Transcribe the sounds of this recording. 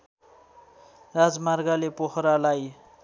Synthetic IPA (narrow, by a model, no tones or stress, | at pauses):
rad͡zmarɡalepoɦɾalaj